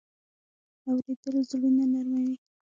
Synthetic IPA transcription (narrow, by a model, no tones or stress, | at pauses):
awɾed̪əlzlunanaɾmawi